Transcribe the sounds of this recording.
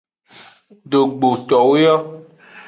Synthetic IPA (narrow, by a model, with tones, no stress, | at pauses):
ɖo˨ɡ͡bo˨t̪ɔ˨we˦jɔ˦